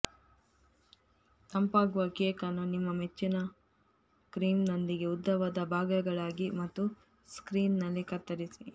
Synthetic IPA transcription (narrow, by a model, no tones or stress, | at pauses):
t̪ɐmpaːɡuʋɐkeːkɐnɐnimːɐmet͡ʃːinɐ | kɾiːmnɐnd̪iɡe̞ud̪ːɐʋɐd̪ɐbʱaːɡɐɡɐɭaːɡimɐt̪ːu | skɾiːnːɐlːikɐt̪ːɐɾisi